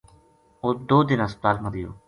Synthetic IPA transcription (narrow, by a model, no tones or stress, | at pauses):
oːd̪oːd̪ɪnãːsaːlməɾɪjo̰ː